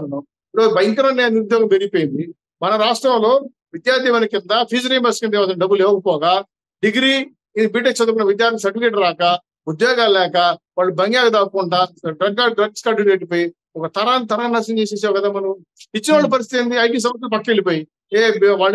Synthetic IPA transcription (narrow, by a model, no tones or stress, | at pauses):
ɐnɐ | ɾobɐjŋkɐɾɐnːeɐnd̪iɾud̪jɔːɡɐmpeɾipojnd̪i | mɐnɐɾaːʂʈɾɐmlo̞ː | ʋid̪jaːɾt̪ʰiʋɐnikɪnd̪ɐpʰiːd͡ʒɐɾimbɐɾskɐnd̪iʋaːd̪ɐnɐɖɐbːuleːʋɐkɐpɔːɡa | ɖiɡɾiː | biːʈ̬eksɐd̪ɐɾkɐnɐʋid̪jaːɾt̪ʰims̬ɐɾʈifikeʈɐɾːaːkɐ | ud̪jɔːɡaːllɛːkɐʋaːɭːubɐŋɡjaːɡɐd̪aːkuɳɖaɖɾɐɡaɖɾɐɡskɐɖuneːʈipoːji | ɔkɐt̪ɐɾaːnit̪ɐɾaːnɐsɐ̃ɲt͡ʃeːs̬eːs̬aːʋɐkɐd̪aːmɐnɐm | it͡ʃːinɐaːɭːɐp̬ɐɾist̪it̪ɐnd̪iɐjʈ̬iːs̬ɐɾmɐs̬lup̬ɐʈːelipoːji | eːʋaːɭ